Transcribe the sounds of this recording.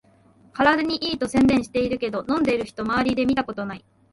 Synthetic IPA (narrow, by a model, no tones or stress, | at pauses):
kaɾad̪ɯɲ̟iʔiːt̪o̞sẽ̞nd̪ẽ̞ɰ̃ɕi̥t̪e̞iɾɯ̟ke̞d̪o̞nõ̞nd̪e̞iɾɯ̟çi̥t̪o̞maβaɾʲid̪e̞mʲit̪ako̞t̪o̞nai